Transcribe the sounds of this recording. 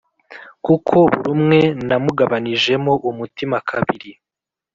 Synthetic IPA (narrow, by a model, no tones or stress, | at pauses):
kukʰo̞βuɾumŋe̞namuɡaβaniʒe̞mo̞ʔumutimakʰaβiɾi